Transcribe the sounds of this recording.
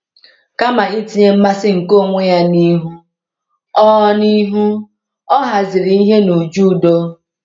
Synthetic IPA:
ka˦ma˨i˦ti˨˦ɲe˦m̩˦ma˦sɪ˦ŋ̩˨ko˦˨ŋʷe˦ja˦ni˦ɦu˦ | ɔ˦ɔ˦ni˦ɦu˦ | ɔ˦ɦa˨zɪ˨ɾi˨i˦ɦe˦no˨d͡ʒu˦˨do˦

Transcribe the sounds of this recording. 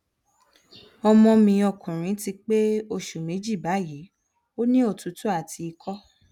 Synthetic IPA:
ɔ˧mɔ̃˧mĩ˧ɔ˧˨kʰũ˨ɾ̃ĩ˨˦ti˧k͡pe˦o˧ʃu˨mĩ˨˦d͡ʒi˦˨ba˨˦ji˨˦ | o˦nĩ˦o˦˨tu˨˦tu˦a˦˨tʰi˧i˧kʰɔ˦

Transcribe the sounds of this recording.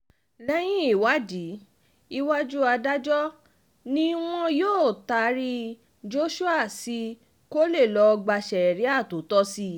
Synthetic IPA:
lɛ˦j̃ĩ˦i˦˨wa˨˦d͡ʒi˨˦ | i˧wa˦d͡ʒu˦a˧da˦d͡ʒɔ˦ | nĩ˦w̃ɔ̃˦joː˦˨ta˧˨ɾi˧ | d͡ʒo˦ʃu˦a˦˨si˧ | ko˦le˦˨lɔ˧ɡ͡ba˧ʃɛ˨ɛ˨ɾi˨˦a˦˨to˨˦tɔ˦si˧

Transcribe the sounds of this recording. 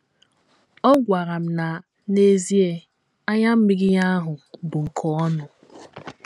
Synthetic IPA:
ɔ˦ɡʷa˨ɣa˨m̩˨na˨ | ne˦zi˦e˨ | a˦ɲa˦m̩˦mi˦ɡɪ˦ɲa˦ɦʊ˨bʊ˨ŋ̩˨kʰɔ˨˦ɔ˦nʊ˨

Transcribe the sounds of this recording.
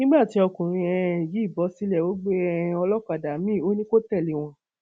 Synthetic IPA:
nĩ˦ɡ͡ba˦˨ti˧˦ɔ˧kũ˨ɾ̃ĩ˧ɛ̃˧˨ji˨˦˨bɔ˧˦si˦lɛ˦˨wo˦ɡ͡be˦ɛ̃˧ɔ˧lɔ˦k͡pa˨da˨˦mĩ˦˨o˦nĩ˦ko˦tɛ˦˨li˨˦w̃ɔ̃˧

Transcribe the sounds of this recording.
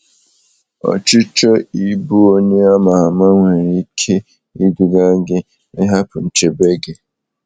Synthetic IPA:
ɔ̰˨t͡ʃɪ˦t͡ʃɔ˦i˦bu˦o˦ɲe˦a˦ma˨a˨ma˦ŋʷe˨ɾi˦kʰe˦ | i˦du˨ɡa˦ɡɪ˦ | ɪ˦ɦa˦pʊ˨n̩˨t͡ʃe˨be˦ɡe˨

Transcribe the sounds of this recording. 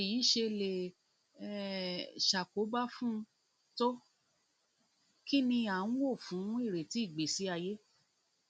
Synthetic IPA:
i˨ji˨˦ʃe˧le˨˦ | ʃa˨ko˨˦ba˦fũ˦ | to˦ | ki˦nĩ˧ã˨˦wo˦˨fũ˨˦i˦˨ɾe˨ti˨˦i˦˨ɡ͡be˨si˨˦a˧je˦

